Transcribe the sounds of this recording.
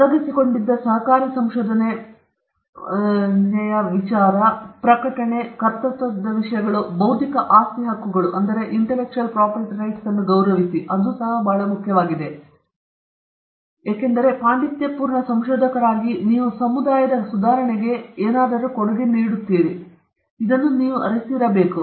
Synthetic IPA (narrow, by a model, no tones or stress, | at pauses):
ɐɡ̪isiko̞ɳɖid̪ːɐsɐɦɐkaːɾisɐmʃoːd̪ʱɐne | nɛjɐʋit͡ʃaːɾɐpɾɐkɐʈɐɳe̞kɐɾt̪ɐt̪ːɐd̪ːɐʋiʂɐjɐɡɐɭubɐwd̪ʱikɐʔaːst̪iɦɐkːuɡɐɭuʔɐnd̪ɐɾe̞ʔiɳʈelek̚t͡ʃuɐlpɾaːpɐɾʈiɾɐjʈsɐnːuɡɐwɾɐʋisiʔɐd̪usɐɦɐbʱaːɭɐmukʰjɐʋaːɡid̪e̞ | jaːkend̪ɐɾe̞paːɳɖit̪jɐpuːɾɳɐsɐmʃoːd̪ʱɐkɐɾaːɡiniːʋusɐmud̪aːjɐd̪ɐsud̪ʱaːɾɐɳɛɡe̞eːnaːd̪ɐɾukoɽɐɡeniːɽut̪ːiːɾi | id̪ɐnːuniːʋuʔɐɾisiɾɐbe̞ːku